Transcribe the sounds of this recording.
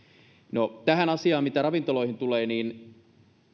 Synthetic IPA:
not̪æɦænɑsiɑːmit̪æɾɑʋint̪olo̞ihint̪uleːniːn

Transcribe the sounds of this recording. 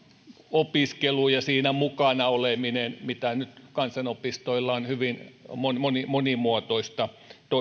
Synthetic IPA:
opiskelujɑsiːnæmukɑnɑoleminenmit̪ænyt̪kɑnsɑnopist̪oilːɑonhyʋinmonmonimonimuot̪oist̪ɑ | t̪o

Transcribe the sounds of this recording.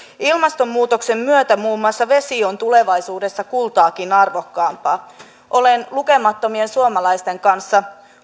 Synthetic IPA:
ilmɑst̪o̞mːuːt̪o̞kse̞mːyøt̪æmuːmːuɑsːɑʋe̞sio̞nt̪ule̞ʋɑjsuːde̞sːɑkult̪ɑːkinɑrʋo̞kːɑːmpɑː | ʔo̞lenluke̞mɑt̪ːo̞mie̞nsuomɑlɑjst̪e̞ŋkɑnsːɑ

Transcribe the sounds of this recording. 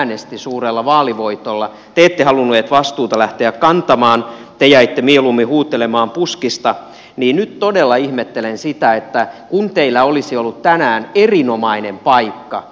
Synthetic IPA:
nest̪isuːrelːɑʋɑːliʋoit̪olːɑ | t̪eːt̪ːehɑlunːueːt̪ʋɑst̪uːt̪ɑlæht̪eækkɑnt̪ɑmɑːn | t̪ejæit̪ːemielumːihuːt̪ːelemɑːmpuskist̪ɑ | niːnnyt̪t̪odelːɑihmet̪ːelensit̪æet̪ːækunt̪eilːæolisiolːut̪t̪ænæːnerinomɑinempɑikːɑ

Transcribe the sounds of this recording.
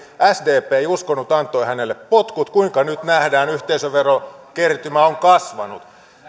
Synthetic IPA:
æsdeːpeːeijuskonːut̪ɑnt̪ˑoihænelːeppot̪kut̪kuiŋkɑnyt̪næhdæːnyht̪eisøʋerokert̪ymæoŋkɑsʋɑnut̪

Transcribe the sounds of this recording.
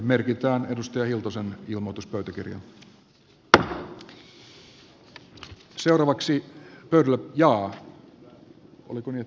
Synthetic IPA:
merkit̪æːnedust̪ɑjɑhilt̪osenilmot̪uspøyt̪æk̟ḭrjɑ̰n | seuɾɑːʋɑksipøydælːæjɑː | ʔo̰likonie

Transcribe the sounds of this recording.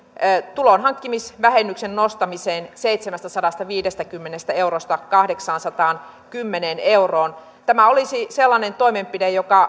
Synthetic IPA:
t̪ulonɦɑŋkːimisʋæɦenːyksenːost̪ɑmiseːnseit̪semæst̪æsɑdɑst̪ɑʋiːdest̪ækymːenest̪æe̞urost̪ɑkɑhdeksɑːnsɑt̪ɑːn | kymːeneːneuroːn | t̪æmæolisiselːɑnent̪oimempidejokɑ

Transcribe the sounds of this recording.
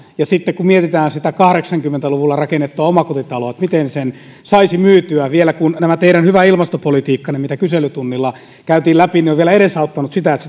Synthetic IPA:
jɑsit̪ːekkummiet̪it̪æːnsit̪ækɑhɾeksɑŋkymːent̪æluʋulːɑrɑkenːˑet̪ːuɑomɑkot̪it̪ɑloˑet̪mit̪ensen | sɑisimyːt̪yæʋielækunnæmæt̪eiɾænhyʋæilmɑst̪opolit̪iːkːɑnemit̪ækyselyt̪unːilːɑ | kæyt̪iːlæpinioʋʋielæeɾesɑut̪ːɑnut̪sit̪æet̪se̥

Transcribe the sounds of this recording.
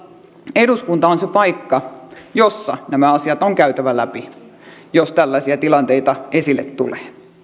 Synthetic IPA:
eduskunt̪ɑonsepɑikːɑjosːɑnæmæɑsiɑt̪oŋkæyt̪æʋælæpijost̪ælːæsiæt̪ilɑnt̪eit̪ɑesilːet̪t̪uleː

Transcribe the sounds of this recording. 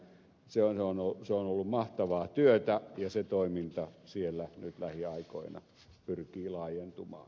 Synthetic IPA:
seonseonoseonolːummɑht̪ɑʋɑːt̪yøt̪æjɑset̪oimint̪ɑsielːænyt̪læhiɑiko̰inɑ̰ | pyrkiːlɑˑːjent̪umɑ̰ːn

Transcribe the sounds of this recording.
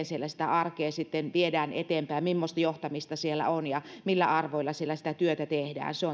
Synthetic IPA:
nsielːæsĭ̥t̪æ̰ɑrkeːsit̪ːenʋiedæːnḛt̪empæːmmimːost̪ɑjoht̪ɑmist̪ɑsielːˑæ̰onjɑmilːæ̰ɑrʋoilːɑsielːæsi̥t̪æt̪yøt̪æt̪ehdæ̰ːnseo

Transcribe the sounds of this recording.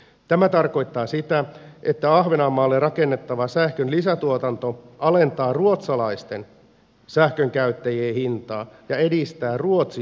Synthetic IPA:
t̪æmæt̪ɑrko̞jt̪ːɑːsit̪æʔet̪ːæɑhʋenɑmːɑːlːerɑke̞nːe̞t̪ːɑʋɑsæhkønlisæt̪uot̪ɑnt̪o̞ɑle̞nt̪ɑːruot̪sɑlɑist̪e̞n | sæhkøŋkæyt̪ːæjeːhint̪ɑːjɑe̞dist̪æːruot̪si

